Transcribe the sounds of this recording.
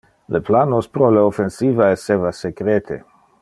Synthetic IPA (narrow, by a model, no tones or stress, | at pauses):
lʔeplanospɾoleofensiːvaesːevasekɾet̪ʰḛ